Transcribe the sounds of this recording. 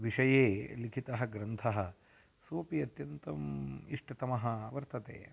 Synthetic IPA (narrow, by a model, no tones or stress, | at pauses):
ʋiʂɐjeːlikʰit̪ɐɦɐ̆ɡɾɐnt̪ʰɐɦɐ̆ | suːpiɐt̪jɐnt̪ɐmiʂʈɐt̪ɐmɐɦɐɐʋɐɾt̪ɐt̪ḛː